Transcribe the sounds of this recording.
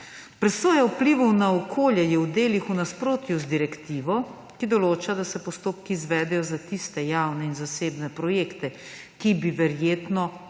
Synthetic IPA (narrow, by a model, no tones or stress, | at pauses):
pɾɛsoːjaupliʋɔwnaɔkʰoːljɛjɛwd̪eːlixunaspɾoːt̪juzd̪iɾɛkt̪iːʋɔ | kid̪ɔloːt͡ʃad̪asɛpɔst̪oːpkizʋɛːd̪ɛjɔzat̪ist̪ɛjaːwnɛinzaseːbnɛpɾɔjeːkt̪ɛ | kibiʋɛɾjeːt̪nɔ